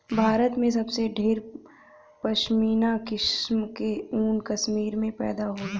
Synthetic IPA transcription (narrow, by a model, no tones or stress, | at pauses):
bʱaːɾət̪mẽs̬ɐbseɖʱeːɾ | pɐʃmiːnakɪʃmkeuːnkɐsmiːɾmẽpɛ̰ːd̪aɦoːla